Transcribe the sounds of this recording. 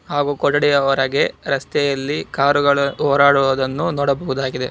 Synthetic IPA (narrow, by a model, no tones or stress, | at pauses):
haːɡuːkɔɽɐɽɛjɐʋɐɾɐɡe̞ɾɐst̪ɛjɐlːikaːɾuɡɐɭɐɦɔːɾaːɽuʋɐd̪ɐnːunɔːɽɐbɐɦud̪aːɡid̪e̞